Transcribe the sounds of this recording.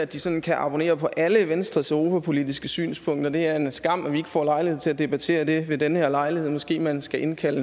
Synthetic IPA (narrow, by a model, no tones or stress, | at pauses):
æd̥isɒ̽nn̩kʰæʔɑ̈b̥o̝ne̝̰ːɐpʰɒ̽ʔæləʋensd̥ʁɐsœʊʁo̝ːpæpʰo̝lid̥isɡ̥əsy̰ːnspʰɔ̽ŋ̰d̥ɐd̥e̝æɐe̝nsɡ̥ɑ̈m̰æʋie̝ɡ̥əfɒ̰lɑ̈ɪliheð̰ˠt͡sʰe̝læd̥e̝b̥æt͡sʰe̝̰ːɐd̥e̝ʋe̝d̥enəheɐlɑ̈ɪlihe̝ð̰ˠmɒ̽sɡ̥e̝̰ːmænsɡ̥æʔe̝nkʰælə